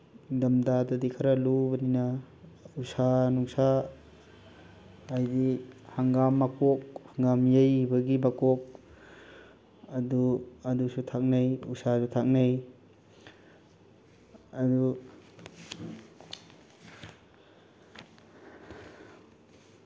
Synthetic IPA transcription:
dɐmdadɐdikʰɐɾɐlubɐninɐ | usanuŋsa | jdihaŋɡamːakok̚haŋɡamjejbɐɡimakok̚ | ɐduɐdusutʰak̚najṵsasutʰak̚naj | ɐdu

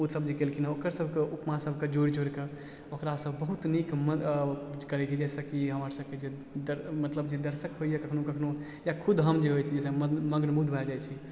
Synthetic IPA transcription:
usəbd͡ʒekelkʰinaokəɾsəbʱkeʔupmasəbʱked͡ʒoɽid͡ʒoɾke | okɾasəbʱbəɦut̪nikmə | kəɾɛt͡ʃʰid͡ʒɛsəkiɦəməɾsəbʱked͡ʒe | d̪əɾmət̪ləbd͡ʒed̪əɾsəkɦoijakəkʰnokəkʰno | jakʰud̪ɦəmd͡ʒeɦojt͡ʃʰid͡ʒɛsəməməɡnmud̪ʱbʱɛd͡ʒajt͡ʃʰi

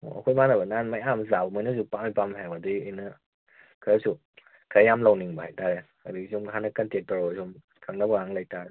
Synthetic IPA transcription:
ɔ̰ɐ̰kʰojmanɐbɐnanmajamzabmajnɐs̬upamijpamɦabadɯiɯjnɐ | kʰɯɾasu | kʰaɾjamlɐwniŋbɐhajtaɾe | adiɡisumkʰanɐkɐntetaɾɔsum | kʰaŋnabaŋaŋlajta

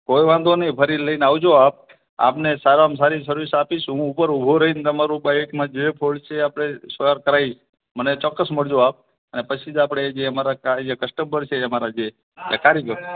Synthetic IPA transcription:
kojʋãnd̪ʱonipʰəɾiləinaʋd͡ʒoap̚ | a̰pnesaɾamsaɾisəɾusapiʃɦũːpəɾubʱoɾəɦind̪əmaɾũbajkmãd͡ʒepʰoɭt͡ʃʰeapɽ̃esəəɾkəɾaiʃ | mənet͡ʃɔkːəsməɭd͡ʒoap̚ | ənepət͡ʃʰid͡ʒapəɽed͡ʒeəmaɾakad͡ʒekəsʈəmbəɾt͡ʃʰeəmaɾad͡ʒe | ə̰kaɾiɡo

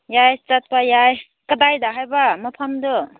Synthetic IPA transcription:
jajt͡ʃat̚pajaj | kədajdaɦajbamapʰamdɔ

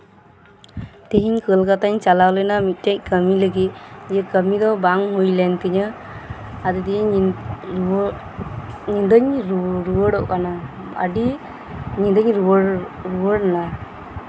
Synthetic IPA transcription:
t̪iɦiɲkəlkat̪aɲt͡ʃalawlənamit̪̚ˀtac̚kəmiləɡit̪̚jəkəmid̪ɔbaŋɦujlɛnt̪iɲə | ad̪id̪iji | ɲind̪əɲɾɾuwəɽɔʔkana | a̰ɖi | ɲind̪əɲɾuɽ | ɾuwəɽna

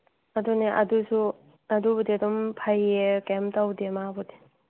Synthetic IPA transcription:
ɐduneʔɐdusu | ɐdubudidɔmpʰajekemtawdemabɔdi̥

